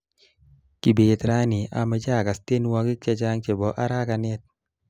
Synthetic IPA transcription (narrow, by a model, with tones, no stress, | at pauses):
ki˨be˨t̪ɾa˦ni˨a˨mɛ˨˦d͡ʒa˦˨ka˨ste˦nwa˧ki˦k̚t͡ʃa˦t͡ʃa˦ŋt͡ʃe˨bɔ˨˦ʔa˦ɾa˦ka˧nɛ˦t̚